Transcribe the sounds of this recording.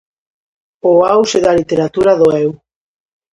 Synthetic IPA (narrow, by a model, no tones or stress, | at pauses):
oawseðalit̪eɾat̪uɾaðoɛw